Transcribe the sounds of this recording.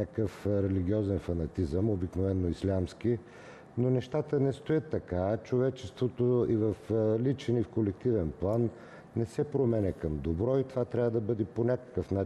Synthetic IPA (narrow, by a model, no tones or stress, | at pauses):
akəfɾɛliɡ̟ʲiɔzɛnfɐnɐt̪izəmobiknovɛnːoislʲamski | nonɛʃt̪at̪ənɛst̪oət̪ːɐkat͡ʃovɛt͡ʃɛst̪vot̪oivəflit͡ʃɛnifkolɛk̚t̪ivɛnplˠanː | ɛsɛpɾomɛnɛkəmd̪obɾɔit̪ovat̪ɾʲavəd̪ɐbɤd̪ɛponʲakə̥kəfna